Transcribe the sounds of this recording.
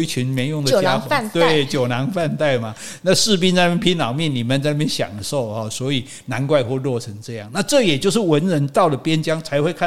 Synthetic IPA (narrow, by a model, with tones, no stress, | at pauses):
i˥˩t͡ɕʰy˧˥nmɛ˧˥ɪjʊ˥˩ŋd̪ə˨t͡ɕja˦˥kwt̪we˥˩t͡ɕjo˨˩ʊna˧˥ŋfa˥˧nt̪a˥˩ɪma˩ | na˥˧ʂɻ̩˥˧p̬i˥nt͡sa˥˧na˧mjɛ˥˧pʰi˥nlɑ˨˩ʊmjɛ˥˩nni˨˩mə˨nt͡sa˥˧ɪna˥˩jɛ˥nɕjɑ̰˨˩ŋd̪ə˦ʂo˥˩ʊɔ˨˩swɔ˧˥i˨˩ | na˧˥nkwa˥˧ɪxwɔ˥˧lwɔ˥˩ʈ͡ʂʰə˧˥ŋʈ͡ʂɤ˥˧jɑ̰˥˩ŋna˥˧ʈ͡ʂɤ˥˩jɛ˨˩t͡ɕjo˥˧ʊʂ̬ɻ̩˥˩wə˧˦˥nɻə˧˥nt̪ɑ˥˩ʊlə˩pjɛ˥nt͡ɕjɑ˥ŋt͡sʰa˧˥ɪxwe˥˧ɪkʰa˥˨